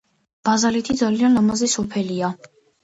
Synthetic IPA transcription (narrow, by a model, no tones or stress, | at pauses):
b̥azalit̪ʰid̪zalianlamazɛsɔpʰɛlia